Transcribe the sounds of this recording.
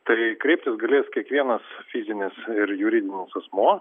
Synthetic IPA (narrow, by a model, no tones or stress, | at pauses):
t̪ɐɪkɾʲɛɪpʲt̪ʲɪsɡɐlʲeːskʲiɛkʋʲiɛnɐsfʲizʲɪnʲɪsɪɾjʊɾʲid̪ʲɪnʲɪsɐsmuː